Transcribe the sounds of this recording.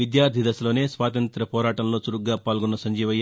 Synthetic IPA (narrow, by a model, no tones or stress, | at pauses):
ʋid̪jaːɾt̪id̪ɐsɐlo̞ːne̞ːsʋaːt̪ɐnt̪ɾɐpɔːɾaːʈɐmlo̞ːt͡ʃuɾuɡːaːpaːlɡunːɐsɐɲd͡ʒiːʋɐj